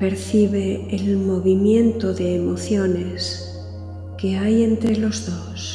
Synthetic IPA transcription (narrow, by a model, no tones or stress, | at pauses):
pe̞ɾθiβ̞e̞ːlmo̞βimjẽ̞nt̪o̞ðeːmo̞θjo̞ne̞s | ke̞aje̞nt̪ɾelo̞zðos